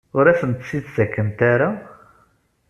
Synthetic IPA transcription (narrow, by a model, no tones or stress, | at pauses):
ʊɾæsənt̪sːid̪sækːəmt̪aɾa